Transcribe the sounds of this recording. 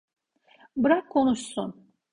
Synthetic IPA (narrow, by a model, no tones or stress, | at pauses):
bɯɾakkʰːo̞nuʃsun